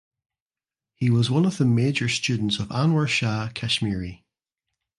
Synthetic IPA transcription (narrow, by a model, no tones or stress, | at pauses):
hiwɔzwʌ̃nəvðəmed͡ʒə˞st͡ʃʉdⁿn̩tsəvãnwə˞ʃakʰɛʃmiɹi